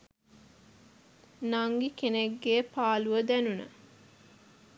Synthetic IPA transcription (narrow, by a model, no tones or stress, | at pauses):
naŋɡikeneɡːeːpaːluʋəd̪ænunə̰